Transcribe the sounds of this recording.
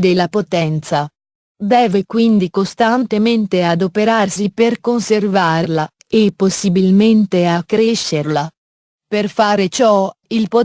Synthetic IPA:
d̪elːapot̪ɛnt̪sa | d̪ɛːvekwind̪ikost̪ant̪ement̪ead̪opeɾarsiperkonservaːɾla | epːosːibilment̪eakːɾeʃːerla | perfaːɾet͡ʃɔilpo

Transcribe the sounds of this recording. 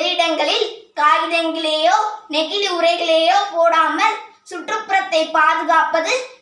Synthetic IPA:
ɾɪɽɐŋɡɐɭɪlkaːjɪðɐŋɡɐɭeːjoːnɛɣɪðɯʊrɐɪɣɐɭeːjoːpoːɽaːmɐl | sʊʈrɯpːʊɾɐt̪ːɐɪpːaːðɯɣaːpɐðɯ

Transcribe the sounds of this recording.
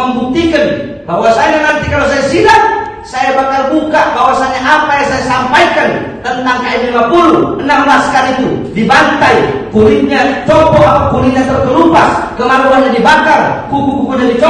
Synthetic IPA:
əmbut̪ikən | bawasaɲanant̪ikalosajasilat̚ | sajabakarbukaʔbawasanɲaʔapajasajasampajkant̪ənt̪aŋkaʔɛnlimapuluənamblaskaɾit̪udibant̪aikuɾiɲat͡ʃɔpɔakuɾiɲat̪ərt̪əlupaskəmaɾuɦanɲadibakarkukukukuɲadit͡ʃɔ

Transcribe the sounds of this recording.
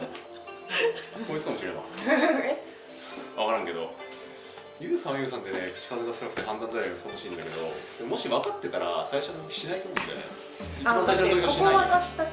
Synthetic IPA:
koisɨ̥kamo̞ɕiɾe̞βa̰ | βakaɾãŋke̞d̪o̞̰ | jɯ̟ːsãɰ̃jɯ̟ːs̬ãnt̪̬e̞ne̞kɯ̟̥t͡ɕi̥kazɨɡasɨɾakɯ̥t̪ːeɦãnd̪ãnzaɾaat̪amoɕĩːnd̪ake̞d̪o̞̰d̪emo̞ɕiβakat̪ːe̞t̪aɾa̰saiɕonot̪okʲi̥ɕinait̪oːmõnd̪a̰j̰̪ḛ | it͡ɕibãsaiʃonookʲikɕinaiaḁt̪a

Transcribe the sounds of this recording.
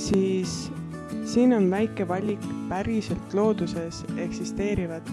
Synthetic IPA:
siːsː | iːno̞nvæjkːˑe̞vɑlʲikpæɾise̞lt̪ˑlo̞ːd̪̥use̞se̞ksist̪e̞ːɾivɑd̪̥

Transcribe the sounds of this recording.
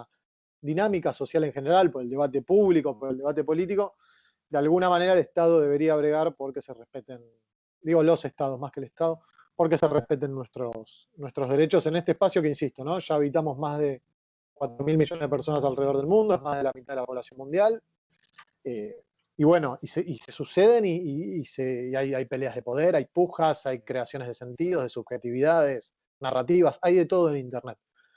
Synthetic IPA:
a | ðinamikaso̞sjaleŋxeneɾalpoɾeld̪e̞β̞at̪e̞puβlikopoɾeld̪eat̪e̞po̞lit̪̬iko̞ | d̪ealɣunamane̞ɾaeleht̪aðoðe̞βe̞ɾiaβ̞ɾe̞ɣaɾpo̞ɾke̞serehpet̪en | d̪iɣo̞lo̞sest̪að̞omahkeːleht̪aðo̞ | po̞ɾke̞serehpe̞t̪enːwest̪ɾos | nwe̞st̪ɾo̞ɦðe̞ɾet͡ʃo̞se̞nest̪ehpasjo̞keinsist̪ono̞ʃaːβit̪amo̞zmazðe | kwat̪ɾo̞milmiʒo̞neðepeɾso̞nas̬alre̞oðe̞lmũnd̪oeɦmaɦð̞e̞lamit̪aðelapo̞βlasjo̞nmũnd̪jal | e | iβwe̞no̞ʔiseise̞suseðe̞niːseajajpe̞leaɦðepo̞ð̞eɾajpuxasajkɾe̞asjonezðe̞se̞nt̪iðo̞ɦð̞e̞suβxet̪iβiðað̞es | narat̪iβasajðe̞t̪o̞ð̞oelint̪ernet̪̚

